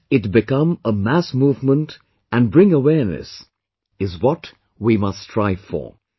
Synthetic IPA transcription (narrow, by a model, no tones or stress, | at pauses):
ɨtbɨkʌ̃məmæsmuːvmə̃nt | ɨ̃nbɹɪ̃ŋəwɛɹnɨ̰s | ɪzwɔt | wimʌstʰɹ̥aɪfə̰˞